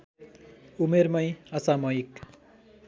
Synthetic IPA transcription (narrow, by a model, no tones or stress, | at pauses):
umeɾmʌjʌsamʌjk